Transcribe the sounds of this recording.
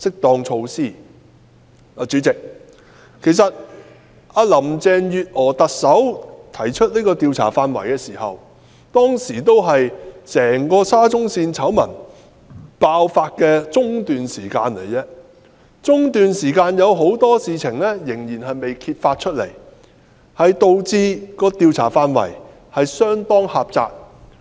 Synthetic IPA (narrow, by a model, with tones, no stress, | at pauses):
sɪ˥k̚t̪ɔː˧ŋt͡ʃʰo˧wsiː˥˩ | aː˨˧t͡ʃy˨˥t͡sɪ˨k̚ | kʰe˨˩js̬ɐ˨t̚ | aː˧lɐ˨˩mt͡sɛː˧njyː˨t̚ʔɔː˨˩t̪ɐ˨k̚sɐ˨˥wt̪ʰɐ˨˩jt͡ʃʰɵ˥t̚liː˥kɔː˧t̪iː˧wt͡sʰa̰ː˨˩faː˧nwɐ̰˨˩jkɛː˧siː˨˩hɐ˨w | t̪ɔː˥ŋsiː˨˩t̪o˥wɦɐ˨jsɛː˨˩ŋkɔː˧saː˥t͡sʊ˥ŋsiː˧nt͡sʰɐ˨˥wmɐ̰˨˩n | paː˧wfaː˧t̚kɛː˧t͡sʊ˥ŋt̪yː˨nsiː˨˩kaː˧nlḛ˨˩jɛː˧ | t͡sʊ˥ŋt̪yː˨nsiː˨˩kaː˧njɐ˨˧wɦo˨˥wt̪ɔː˥siː˨t͡sʰɪ˨˩ŋlɛː˥jɪ˨˩ŋjiː˨˩nɦɐ˨jme˨jkʰiː˧t̚faː˧t̚t͡ʃʰɵ˥t̚lḛ˨˩j | hɐ˨jt̪o˨wt͡siː˧kɔː˧t̪iː˨˧wt͡sʰa̰ː˨˩faː˧nwɐ̰˨˩j | hɐ˨jsœː˥ŋt̪ɔː˥ŋhaː˨p̚t͡sa̰ː˧k̚